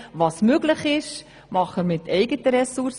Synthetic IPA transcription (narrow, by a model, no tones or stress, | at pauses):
ʋɑːsmøɡləχɪʃ | mɑχəmɪtɛɪɡətəɾɛsuɾs